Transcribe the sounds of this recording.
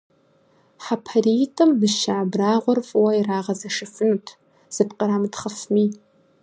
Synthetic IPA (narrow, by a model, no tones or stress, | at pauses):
ħapʰaritʰʼɨmbɨʃaʕabraːʁʷʊrfʼwairaːʁɐzɐʂɨfɨnutʰ | z̥ɨpqʼəɾamtχəfmi